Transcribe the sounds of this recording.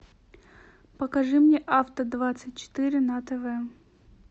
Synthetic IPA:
pəkɐʐɨmnʲeʔaft̪əd̪vat̪sɨt̚ʲt͡ɕɪ̥t̪ɨɾʲɪnɐt̪ɛvɛ

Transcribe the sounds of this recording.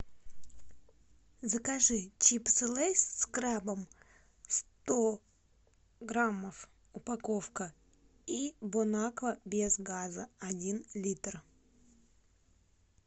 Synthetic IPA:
zəkaʐɨt͡ɕipsɨlˠejsʲskɾabəm | st̪o | ɡɾamːəf | ʊpakofkə | ibʊnakvəbʲezɡazəɐdʲinlʲit̪r

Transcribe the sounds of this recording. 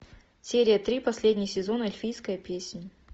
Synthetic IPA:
sʲeɾʲɪjət̪ɾʲipɐsʲlʲedʲnʲɪxsʲɪzo̞nəɐlʲfʲijskəjəpʲesʲnʲ

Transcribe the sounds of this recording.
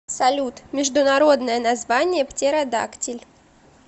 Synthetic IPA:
sɐlʲut̪mʲɪʐd̪ʊnɐɾo̞d̪nəjənɐzvanʲɪjəptʲeɾɐd̪a̰ktʲɪlʲ

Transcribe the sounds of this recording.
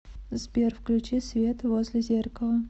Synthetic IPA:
zbʲerfklʲʉt͡ɕisvʲe̞t̪vozʲlʲɪzʲe̞rkəlˠə

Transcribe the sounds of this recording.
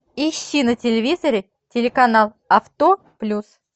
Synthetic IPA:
ɪɕːinətʲɪlʲɪvʲizəɾʲɪ | tʲɪlʲɪkɐnalˠ | ɐft̪o | plʲus

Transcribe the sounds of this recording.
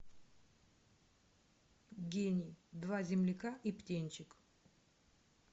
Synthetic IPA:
ɡʲenʲɪd̪vazʲɪmlʲɪkaʔiptʲenʲt͡ʃɪk

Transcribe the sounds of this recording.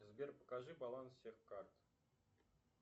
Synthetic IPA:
zbʲerʲpə̥kaʐɨbɑlˠanssʲexkɑrt̪

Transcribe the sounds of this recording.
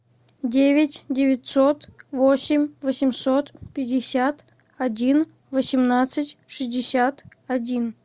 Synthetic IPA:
dʲevʲɪtʲdʲɪvʲɪtʲsot̪vosʲɪmʲvəsʲɪmʲsot̪pʲɪdʲɪsʲat̪ | ɐdʲin | vəsʲɪmnat̪sɨtʲʂɨzʲdʲɪsʲat̪ | ɐdʲin

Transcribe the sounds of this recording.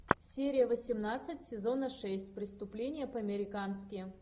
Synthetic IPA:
sʲeɾʲɪjəvəsʲɪmnat̪sɨtʲsʲɪzo̞nəʂɛsʲtʲpɾʲɪst̪ʊplʲenʲɪjəpəɐmʲɪɾʲɪkanskʲɪ

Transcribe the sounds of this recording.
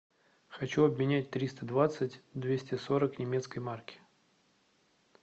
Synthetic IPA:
xɐt͡ɕuɐbmʲɪnʲæt̚ʲt̪ɾʲist̪əd̪vat̪sɨtʲd̪vʲesʲtʲɪso̞ɾəknʲɪmʲe̞t̪skəjmarkʲɪ̥

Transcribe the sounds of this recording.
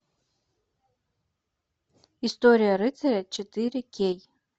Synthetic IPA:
istʼo̞ɾʲijaɾɨt͡sʰaɾʲat͡ʃʰetʰʼɨɾʲekʲʰej

